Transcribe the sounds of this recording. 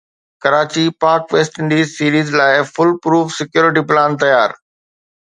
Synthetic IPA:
kɐɾaːt͡ɕipaːɾkʋeːsʈɪ̃ɳɖiːzsiːɾiːzlaːɪfʊlpɾuːfsɪkjoːɾɪʈ̬iplãːnt̪ɐjaːɾ

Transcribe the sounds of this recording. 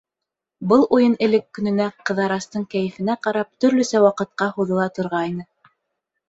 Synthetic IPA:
bɤlˠʔujɤnɘ̆lɘkːɵ̆nɵ̆næqɤ̆ðɑɾɑst̪ɤɴkæjɘ̆fɘ̆næqɑɾɑp̚t̪ɵ̆ɾlɵsæwɑqɤ̆t̪̚qɑhuðɤ̆lˠɑt̪ŏɾʁɑjnɤ

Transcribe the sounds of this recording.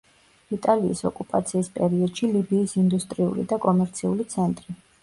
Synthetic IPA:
it̪ʼaliːsɔkʼupʼat̪sʰiːspʼɛɾiɔd̪̥ʃilibiːsind̪ust̪ʼɾiṵlḭd̪akʼɔmɛɾt̪sʰiulit̪sʰɛnt̪ʼɾi

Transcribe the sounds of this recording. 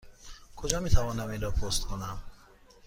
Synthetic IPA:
kʰod͡ʒɒːmiːt̪ʰævɒːnæminɾɔːpʰost̪kʰonæm

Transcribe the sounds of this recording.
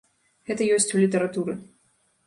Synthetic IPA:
ɣɛt̪ɐjɔsʲt͡sʲulʲit̪ɐɾat̪uɾɨ

